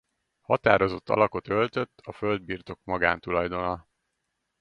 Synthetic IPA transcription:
hɒt̪aːɾo̞zo̞t̪ːɒ̰lɒko̞t̪ølt̪øt̪ːɒføld̪̚biːrt̪o̞kmɒɡa̰ːnt̪ulɒjd̪o̞nɒ

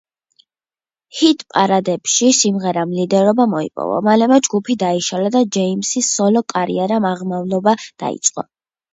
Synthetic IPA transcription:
hit̪ʰʼpʼaɾad̪ɛpʃisimʁɛɾamlid̪ɛɾɔbamɔḭpʼɔ̰vɔ̰malɛmɛd͡ʒɡupʰid̪aiʃalad̪ad͡ʒɛimsisɔlɔkʼaɾḭɛɾamaʁmavlˠɔbad̪̥a̰ḭt̪sʼqʼɔ̰

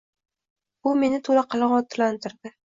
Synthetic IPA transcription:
ʊme̞nɪt̪ʰolaqʰɑlɑɴɒt̪ʰːlant̪ʰɪɾd̪ɪ

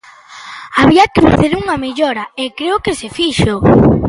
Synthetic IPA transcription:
aβiɐkefa̰θeɾuŋɐmeʎɔɾɐekɾeʊkesefiʃo

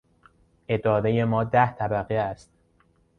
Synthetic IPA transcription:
ʔe̞d̪ɒːɾeje̞mɒːd̪æht̪ʰæbæɣeæst̪

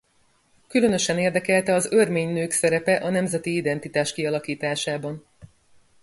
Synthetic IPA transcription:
kylø̞nø̞ʃɛneːrd̪ɛkɛlt̪ɛɒzørmeːɲnøːksɛɾɛpɛʔɒnɛmzɛt̪iid̪ɛnt̪it̪aːʃkiɒlɒkiːt̪aːʃaːbɒn

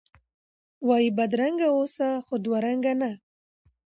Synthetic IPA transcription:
wɑjibad̪ɾaŋɡaosaxod̪waɾaŋɡana

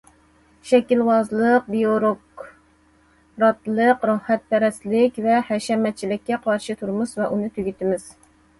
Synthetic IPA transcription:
ʃɛkʲilwɑzlˠəq̚bijoɾok | ɾɑt̪lˠəqɾɑhːɛt̪̚pʰɛɾɛst̪lɪkʲvɛhɛʃɛmɛt̪̚t͡ʃʰilɪkʲːɛqʰɑɾʃɨt̪ʰuɾmusvɛʔunɨt̪ʰyɡʲyt̪ɪmɪz̥

